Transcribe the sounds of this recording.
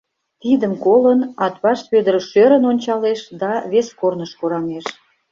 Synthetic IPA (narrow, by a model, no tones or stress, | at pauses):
t̪id̪əmkolənɑt̪βɑʃβød̪əɾʃøɾə̆nonʲt͡ɕɑleʃd̪ɑβeskornəʃkuɾɑmeʃ